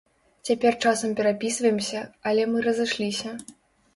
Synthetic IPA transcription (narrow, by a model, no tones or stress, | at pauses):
t͡sʲapʲɛrt͡ʂasɐmpʲɛɾapʲisvɐjɛmsʲɐɐlʲɛmɨrɐzɨʂlʲisʲɐ